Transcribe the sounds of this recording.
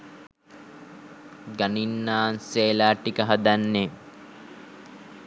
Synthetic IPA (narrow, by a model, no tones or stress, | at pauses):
ɡaninːaːnseːlaːʈːikəɦad̪anːe